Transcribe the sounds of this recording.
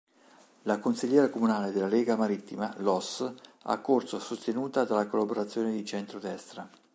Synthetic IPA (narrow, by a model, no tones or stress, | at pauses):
lakonsiʎːɛːɾakomunaːled̪elːalɛːɡamaɾit̪ːima̰lɔsa̰kːorsosost̪enuːt̪ad̪alakolːaboɾat̪sːjoːned̪it͡ʃɛnt̪ɾod̪ɛst̪ɾa